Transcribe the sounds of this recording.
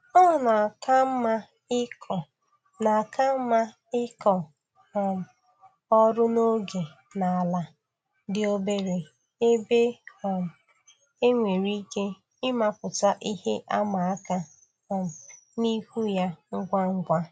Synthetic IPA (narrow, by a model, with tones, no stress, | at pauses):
ɔ˦˨na˨ka˦m̩˦ma˦ | ɪ˦kʰɔ˨ | na˨a˨kʰa˦m̩˦ma˦ | ɪ˦kɔ˨ | m̩˨ | ɔ˦ɾʊ˦no˦ɡe˨ | na˨a˨la˨ | dɪ˨o˦be˦ɾe˨ | e˦be˦ɔ˨m̩˨ | e˦ŋʷe˨ɾi˦ke˦ | ɪ˦ma˦pʊ˨ta˦ʔi˦he˦ʔa˦ma˨a˦ka˦˨ | m̩˨ni˦hu˦ja˦ŋ̩˦ɡʷa˦ŋ̩˦ɡʷa˦